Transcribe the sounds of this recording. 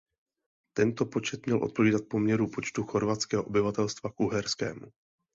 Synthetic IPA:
t̪ɛnt̪o̞po̞t͡ʃɛt̪mɲɛlʔo̞t̪̚po̞viːdat̪̚po̞mɲɛɾupo̞t͡ʃt̪uxo̞ɾvat̪t͡skɛːɦoʔobɪvat̪ɛlst̪vakʔuɦɛɾskɛ̰ːmu

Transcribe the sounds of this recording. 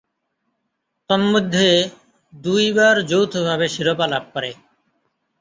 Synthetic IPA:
t̪ɔnmod̪ʱːe | d̪ujbaɾd͡ʑowt̪ʰobʱabeʃiɾopalab̚pɔɾe

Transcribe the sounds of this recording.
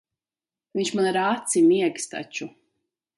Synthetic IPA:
viɲʲt͡ʃmanaɾat̪simiɛɡst̪a̰t͡ʃu

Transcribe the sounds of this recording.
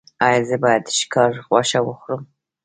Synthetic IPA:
ɑjɑzɨbɑjad̪ʃkʰɑɾʁwaʃawəxɾɨm

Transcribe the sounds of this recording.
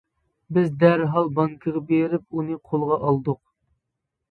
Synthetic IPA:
bɪzd̪æɾɦɑlˠbɑŋkʰəʁɑbeɾɪp̚unɨqʰolˠʁɑʔɑlˠd̪ʊq̚

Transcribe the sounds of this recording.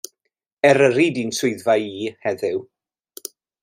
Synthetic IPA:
ɛɾəɾidinsʊɨðvajiːhɛðɪw

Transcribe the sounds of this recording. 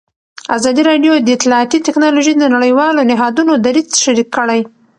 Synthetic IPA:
azɑd̪iɾɑɖjod̪əɪt̪lɑɑt̪it̪ɪknɑloʒid̪ənaɽəjwɑlonɪɦɑd̪unod̪aɾizʃaɾikʰːəɽaj

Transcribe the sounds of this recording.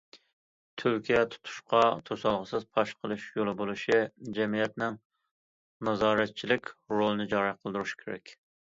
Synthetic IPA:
t̪ʰyɾkʲʰijɛt̪ʰu̥t̪ʰu̥ʃqɑt̪ʰosɑlˠʁəsɨzpʰɑʃqʰəlˠɨʃjolˠɨbolˠɨʃid͡ʒɛmijɛt̪nɪŋ | nɑzɑːɾɛt̪̚t͡ʃʰilɪkʲɾolˠɨnɨd͡ʒɑɾɑqʰəlˠd̪uɾuʃi̥kʲʰeɾɛ̰kʲ

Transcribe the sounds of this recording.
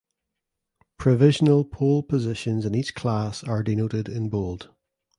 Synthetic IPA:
pʰɹ̥əvɪʒənəlˠpʰolˠpʰəzɪʃə̃nzɪ̃nit͡ʃkʰl̥asə˞dɪnoʔɪdɪ̃nbolˠd̥

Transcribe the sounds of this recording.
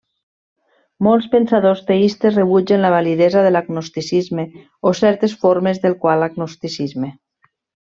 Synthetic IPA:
molˠspensaðost̪eist̪esreβ̞ud͡ʒenlaβaliðɛzaðelaɡnost̪isizme | osɛɾt̪esfoɾmezðelˠkwalaɡnost̪isizme

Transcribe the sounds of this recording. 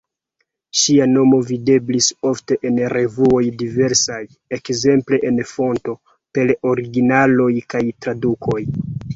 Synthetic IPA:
ʃiano̞mo̞vide̞bliso̞fte̞ʔenɾe̞vuo̞jdive̞ɾsaj | e̞kze̞mple̞ʔenfo̞nto̞ | pe̞lo̞ɾiɡinalo̞jkajtɾadukʰo̞j

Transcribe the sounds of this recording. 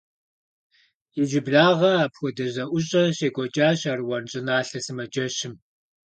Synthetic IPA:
jɪd͡ʒɪbɮaːʁɐapxʷɔdɐʑɐʔʷʊɕʼɐɕeːkʷʼɔt͡ʃʼaːɕarwɐnɕʼɪnaːɬɐsɨmɐd͡ʒɐɕɪm

